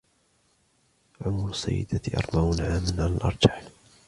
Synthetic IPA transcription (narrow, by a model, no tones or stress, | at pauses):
ʕʊmɾʊsːa̰jːɪ̰d̪at̪ʔɑ̰ɾˤmaʕunʕaːmanʕalalʔɑ̰ɾˤd͡ʒaħ